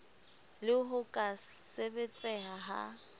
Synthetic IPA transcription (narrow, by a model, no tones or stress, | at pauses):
lɪɦʊkʼasebet͡sʼɛɦaɦa̰